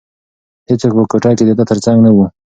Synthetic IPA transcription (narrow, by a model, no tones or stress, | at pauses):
het͡swokpəkoʈɑked̪əd̪ət̪əɾt͡saŋɡnawu